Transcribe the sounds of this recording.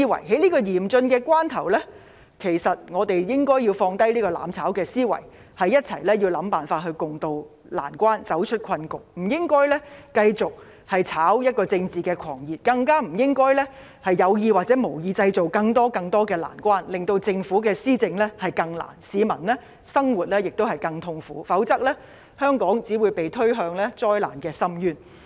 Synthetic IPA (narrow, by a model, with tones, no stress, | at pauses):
i˥wɐ̰˨˩jɦe˨˥jliː˥kɔː˧jiː˨˩mt͡sɵ˧nkɛː˧kʷaː˥nt̪ʰɐ˨˩wlɛː˥ | kʰe˨˩jsɐ˨t̚ŋɔː˨˧t̪e˨jjɪ˥ŋkɔː˥ji˧wfɔː˧ŋt̪ɐ˥jliː˥kɔː˧la̰ː˨˥mt͡sʰaː˨˥wkɛː˧siː˥wɐ̰˨˩j | hɐ˨jːɐ˥t̚t͡sʰɐ̰˨˩jlɛː˥ji˧wlɐ˨˥mpaː˨˩nfaː˧t̚hɵ˧ɥkʊ˨ŋt̪o˧w | la̰ː˨˩nkʷaː˥nt͡sɐ˨˥wt͡ʃʰɵ˥t̚kʰɐ˧nkʊ˨˩k̚m̩˨˩jɪ˥ŋkɔː˥jlɛ˥kɐ˧jt͡sʊ˨k̚ | hɐ˨jt͡sʰaː˨˥wjɐ˥t̚kɔː˧t͡sɪ˧ŋt͡siː˨˩kɛː˧kʰɔ̰ː˨˩ŋjiː˨˩t̚kɐ˧ŋkaː˥m̩˨˩jɪ˥ŋkɔː˥jlɛː˥ | hɐ˨jjɐ˨˧wjiː˧waː˨t̚t͡sɛː˨˥mo˨˩wjiː˧t͡sɐ˧jt͡so˨wkɐ˧ŋt̪ɔː˥kɐ˧ŋt̪ɔː˥kɛː˧la̰ː˨˩nkʷwaː˥nlɪ˨ŋt̪o˧wt͡sɪ˧ŋfuː˨˥kɛː˧siː˥t͡sɪ˧ŋlɛ˥hɐ˨˩jkɐ˧ŋla̰ː˨˩nsiː˨˧mɐ˨˩nlɛː˥ | sɐ˥ŋwuː˨˩t̚lɛː˥jɪ˨k̚t̪o˥whɐ˨˩jkɐ˧ŋt̪ʰʊ˧ŋfuː˨˥fɐ˨˥wt͡sɐ˥k̚lɛː˥ | hœː˥ŋkɔː˨˥ŋt͡siː˨˥wuː˨˧jpe˨jt̪ʰɵ˥ɥɦœː˧ŋlɛː˥t͡sɔː˥jla̰ː˨˩nkɛː˧sɐ˥mjyː˥n